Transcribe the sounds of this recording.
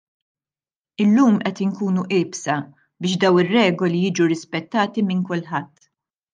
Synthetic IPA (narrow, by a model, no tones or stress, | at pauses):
ɪlːuːmʔɛt̪ɪŋkuːnuʔɪːbsɐ | bɪːʃd̪ɐwnɪrːɛːɡɔlijɪːd͡ʒuɾɪspɛt̪ːɐːt̪imɪŋkʊlħɐt̪ː